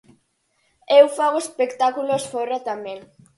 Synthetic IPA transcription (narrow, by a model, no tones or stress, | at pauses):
ewfaɣoespekt̪akulosfoɾɐt̪amẽŋ